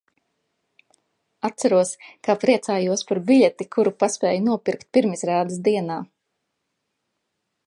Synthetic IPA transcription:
at̪t̪saɾuɔskapɾiɛt̪saːjuɔspaɾbiʎʲet̪ikʰuɾupaspɛːjunuɔpʲiɾkt̪̚piɾmisɾaːd̪ɨsd̪iɛnaː

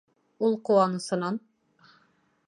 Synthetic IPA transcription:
ulˠquwɑnɤ̆sɤ̆nɑn

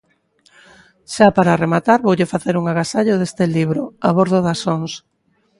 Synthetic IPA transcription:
ʃapaɾaremat̪aɾβowʎefaθeɾuŋaɣasaʎoðest̪ɪliβɾoaβoɾðoðasoŋs

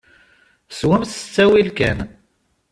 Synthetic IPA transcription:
swæmsə̥t͡sːæwilkæ̰n

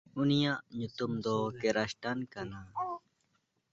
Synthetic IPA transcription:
ʊnijãʔɲʊt̪umd̪ɔːkeɾaʃʈankanaː

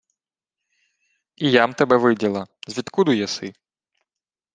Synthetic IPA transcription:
ijamt̪ɐbɛʋɪdʲɐlˠɐzʲʋʲit̪kud̪ujɛsɪ

